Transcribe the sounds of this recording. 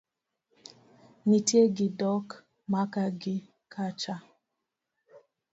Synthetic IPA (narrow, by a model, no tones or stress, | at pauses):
nitjeɡɪdɔk | makaɡɪ | kʰat͡ʃa